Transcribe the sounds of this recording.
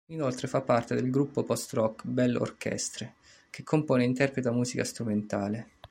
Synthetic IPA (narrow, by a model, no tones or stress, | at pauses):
inolt̪ɾefapːart̪ed̪elɡɾupːopɔst̪rɔkbɛlo̰rkʰɛ̰st̪ɾe | k̟ekʰːompoːneint̪ɛrpɾet̪oamːuːzikast̪ɾument̪aːle